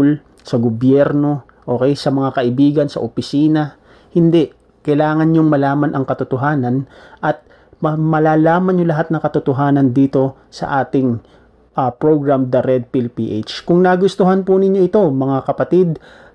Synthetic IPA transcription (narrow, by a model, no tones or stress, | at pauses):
l | sɐɡobjɛɾno̞ | ʔo̞ːkɛjsɐmɐŋakɐʔɪbiːɡɐnsɐ̰ʔopɪsiːnɐ | hɪnd̪ɛʔ | kɐjlaːŋɐnɲoŋmɐlaːmɐnʔɐŋkɐt̪ʊt̪oɦaːnɐnʔɐt̪̚ | mɐmɐlaːlaːmɐnɲolɐɦat̪̚nɐŋkɐt̪ʊt̪oɦaːnɐnd̪iːt̪o̞ | sɐ̰ʔaːt̪ɪŋ | ʔɐpɹoɡɹamd̪ɐɾɛd̪̚pilpiʔejt͡ʃkʊŋnɐɡʊst̪ʊɦanpʊnɪɲːo̞ʔɪt̪o̞mɐŋakɐpɐt̪id̪̚